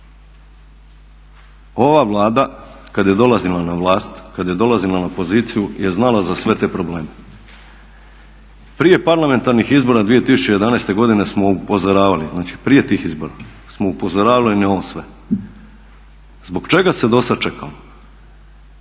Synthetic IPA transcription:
o̞ʋaʋlˠaːd̪a | kad̪je̞d̪o̞lˠazilˠanaʋlaːst̪kad̪jed̪o̞lˠazilˠanapo̞ziːt̪sijuje̞znalazasʋe̞t̪e̞ːpɾo̞ble̞ːme | pɾije̞paɾlˠame̞nt̪aɾnixizbo̞ɾad̪ʋije̞t̪isut͡ɕejed̪anejst̪e̞ɡo̞d̪ine̞smo̞upo̞zoɾaːʋaliznaːt͡ʃi̥pɾije̞t̪iːxizbo̞ɾa | smoupo̞zoɾaːʋalineoosʋe̞ | zbo̞ɡt͡ʃe̞ɡase̞d̪o̞sad̪̚t͡ʃekʰa̰mo

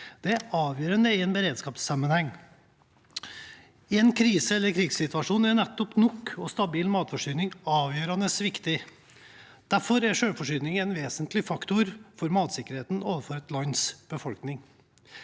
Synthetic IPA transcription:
d̪̥ɛæɑːʋjøːɾənəɪɛnbəɾeːd̪skɑːpsɑmːənhɛŋː | ɛnkʰɾiːsəɛlːəɾkʰɾɪɡssɪt̪ʋɑʂuːnænɛt̪ːɔpnɔkːɔst̪ɑbiːlmɑːt̪fɔʂyːnɪŋɑːʋjøːɾɑnəsʋɪkt̪ɪ | d̪̥æɾfɔɾæɾʂøːlfɔʂʏːnɪŋɛnʋeːsənt̪lɪfɑkt̪ʊɾfɔɾmɑːt̪sɪkːəɾheːt̪n̩oːʋəfɔɾɛt̪lɑnsb̥əfɔlknɪŋ

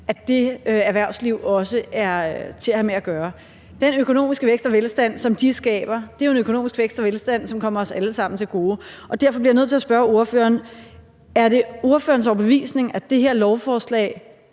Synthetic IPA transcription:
ʔæd̥e̝øæɐʋæɐʊ̰sliʊ̰ɒ̽səæɐt͡sʰe̝læhæmeæɡ̥ɶːɐ | d̥enøkʰo̝no̝̰ːmisɡ̥əʋeɡ̥sd̥ɒʋelsd̥æn̰sɒ̽md̥isɡ̥ɛ̰ːb̥ɐd̥eæe̝nøkʰo̝no̝̰ːmisɡ̥ʋeɡ̥sd̥ɒʋelsd̥æn̰sɒ̽mkʰɒ̽m̰ɐɒ̽sæləsɑ̈m̰n̩t͡sʰe̝lɡ̥o̝ːʔɒ̽d̥æɐ̰fɒb̥liɐjnøð̰ˠt͡sʰe̝æɐsb̥ɶɐo̝ɐføːɐːn | æɐɾe̝o̝ɐføːɐnsɒʊɐb̥eʋḭːsne̝ŋæd̥e̝ɦeɐ̰lɒʊfɒːslɛ̰ɪ

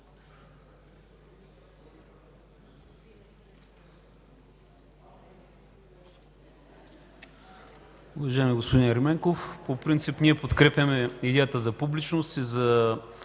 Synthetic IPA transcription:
uvɐʒaɛmiɡospod̪inɾɛmɛŋkofpopɾint̪sipniɛpot̪kɾɛpjʲɐmɛid̪ɛjət̪əzɐpublit͡ʃnost̪izɐ

